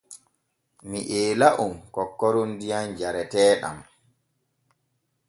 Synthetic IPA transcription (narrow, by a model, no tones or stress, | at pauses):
miʔɛːlaʔumkɔkːɔɾundijand͡ʒaɾɛtɛːɗa̰m